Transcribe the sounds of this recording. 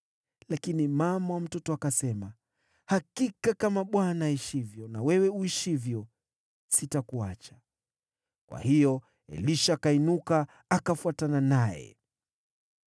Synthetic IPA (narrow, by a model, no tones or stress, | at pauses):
lakinimamawam̩tɔtɔakasɛma | hakikakamaɓwanaiʃivjɔnawɛwɛuiʃivjɔ | sitakuat͡ʃḁ | kwa̰hijɔ | ɛ̰liʃakainukaː | kafuatananajɛ̰